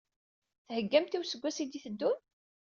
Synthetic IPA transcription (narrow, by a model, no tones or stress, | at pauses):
θhəɡːæmt̪iwsəɡʷːæsid̪iθəd̪ːun